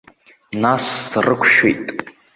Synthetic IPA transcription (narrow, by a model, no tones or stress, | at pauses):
nasːrɨkʷʰʃḛjtʼ